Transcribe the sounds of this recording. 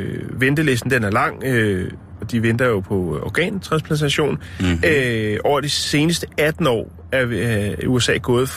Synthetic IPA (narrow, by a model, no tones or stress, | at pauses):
ʋend̥əle̝s̬d̥n̩d̥enæɐlɑ̈ŋ̰ø | ɒ̽d̥iʋend̥ɐjo̝pʰɒ̽ɒɡ̥ɛ̰ːnt͡sʰʁɑ̈nspʰlænt͡sʰæɕo̝̰ːnøʔɒ̰ʊ̰ɐd̥ise̝ːnəsd̥əæd̥n̩ɒ̰ː | æɐuesɛ̰ːɡ̥ɔ̽ːð̞̩ˠ